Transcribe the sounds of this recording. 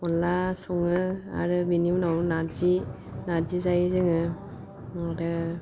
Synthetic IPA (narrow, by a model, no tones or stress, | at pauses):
ɔnasɔŋɯa̰ɾɯbinimnawnaɾzi | naɾzizajzɯŋɯ | aɾɯ